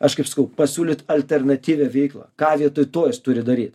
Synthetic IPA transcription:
ɐʃkɐɪpsɐkɐʊpɐsʲuːlʲɪt̪ɐlʲt̪ʲɛrnɐt̪ʲiːʋʲɛʋʲɛɪklˠɑ̰ːkɑːʋʲiɛt̪ʊɪt̪oːjɛst̪ʊɾʲɪd̪ɐɾʲiːt̪

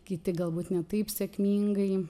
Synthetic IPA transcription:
kʲɪt̪ʲɪɡɐlˠbuːt̪nʲɛt̪ɐɪpsʲɛkmʲiːŋɡɐɪ

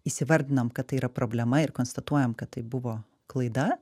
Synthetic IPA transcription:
isʲɪʋɐɾʲd̪ʲɪnɐmkɐt̪ːɐɪiːɾɐpɾoːbʲlʲɛmɐɪɾkoːnst̪ɐt̪uɔjɛmkɐt̪t̪ːɐɪbʊʋoː | klˠɐɪd̪ɐ

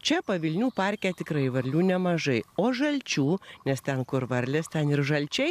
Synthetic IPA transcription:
t͡ʃʲɛpɐʋʲɪlʲnʲuːpɑɾʲkʲæːt̪ʲɪkɾɐɪʋɐɾʲlʲuːnʲɛmɐʒɐɪoːʒɐlʲt͡ʃʲuːnʲɛst̪ʲɛnkʊɾʋɐɾʲlʲest̪ʲɛnɪrʒɐlʲt͡ʃʲɛɪ

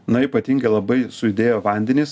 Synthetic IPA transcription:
nɐiːˑpɐt̪ʲiŋʲɡɐɪlˠɐbɐɪsʊɪd̪ʲeːjoːʋɐˑnʲd̪ʲɛnʲiːs

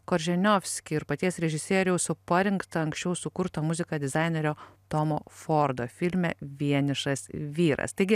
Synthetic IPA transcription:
koːɾʲʒʲɛnʲofʲsʲkʲɪɪɾpɐt̪ʲiɛsɾʲɛʒʲɪsʲiɛɾʲɛʊsʊpɐɾʲɪŋkt̪ɐɐŋksʲt͡ʃʲɛʊsʊkʊɾt̪omʊzʲɪkɐd̪ʲɪzɑɪnʲeɾʲoːt̪oːmoːfoːɾd̪oːfʲɪlʲmʲɛʋʲiɛnʲɪʃɐsʋʲiːɾɐ̰st̪ɐɪɡʲɪ

